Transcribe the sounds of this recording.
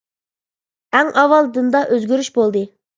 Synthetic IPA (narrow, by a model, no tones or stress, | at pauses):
æŋʔɑwɑlˠd̪ɨnd̪ɑʔøzɡʲyɾyʃbolˠd̪ɨ